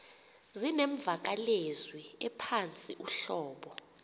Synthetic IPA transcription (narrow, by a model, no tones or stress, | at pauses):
zineɱb̪vʱak̬alezwiɛpʰant͡sʼiʔuɬɔːɓɔ